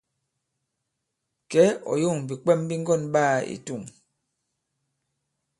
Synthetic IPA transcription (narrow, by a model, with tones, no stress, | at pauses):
kɛ˨˦ɔ̰˨jo˦˨ŋ˨bi˨k͡pɛ˦˨mbi˦ŋ˦ɡɔ˦˨nɓaː˦˨ḭ˨tu˦˨ŋ